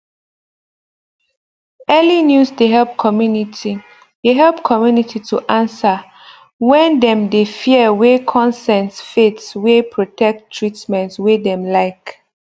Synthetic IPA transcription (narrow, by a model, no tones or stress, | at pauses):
ɛlinjusdeɦɛlp̚kʰɔmjuniti | d̥eɦɛlpkʰɔmjunitʰitʰuʔãnsə | wɛ̃ndɛ̃mdefiəwekʰɔ̃nsɛ̃nsfetswepʰɹotʰɛk̚tʰːɹitmɛ̃ntswedɛ̃mlaɪk